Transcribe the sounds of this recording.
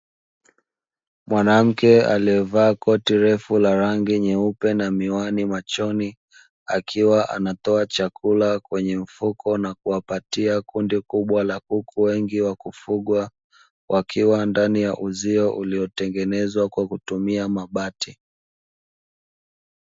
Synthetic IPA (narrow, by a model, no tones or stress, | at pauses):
mwanam̩kɛa̰liɛvaːkɔtiɾɛfulaɾaŋɡiɲɛupɛnamiwanimat͡ʃɔni | a̰kʰiwaʔa̰natɔat͡ʃakʰulakwɛɲɛm̩fukɔnakuwapatiakundikuɓwalakukʰuwɛŋɡiwakufuɠwa | wʔakʰiwandanijaʔuziɔʔuliɔtɛŋɡɛnɛzwakwakutumiamaɓati